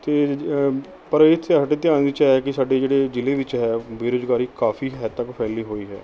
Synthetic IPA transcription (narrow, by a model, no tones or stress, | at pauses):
t̪eː | pəɾɪt̪ʰːeəʈeːt̪ɪjaːnd̪iːt͡ʃːkɪsaːɖeːd͡ʒeːɽeːd͡ʒɪleːʋɪt͡ʃɦɛːbeːɾoːzɡaːɾiːkaːfʰiːɦɛːt̪əkpʰɛːliːɦoːiːɦɛ̰ː